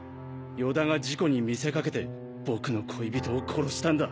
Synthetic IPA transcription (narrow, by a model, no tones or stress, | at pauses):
jo̞d̪ãŋɡad͡ʑiko̞ɲ̟imʲise̞kake̞t̪e̞ | b̥o̞kɯ̟no̞kʰo̞ibʲit̪o̞ːkʰo̞ɾo̞ɕi̥t̪ãnd̪a